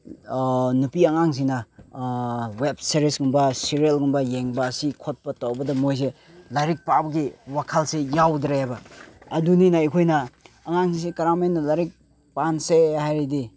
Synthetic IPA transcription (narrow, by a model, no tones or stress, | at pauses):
nupiɐŋaŋs̬inɐ | wep̚seɾisɡumbɐsiɾielɡumbɐjeŋbɐːsikʰot̚pɐtawbɐdɐmojs̬e | laɾik̚pabɡiwakʰalsejawd̪ɾajabɐːduninaikʰojnɐː | ŋaŋsisekɐɾamenːɐlaɾik̚ | pansehajɾidi